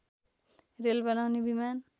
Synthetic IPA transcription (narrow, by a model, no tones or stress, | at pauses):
relbʌnawnebiman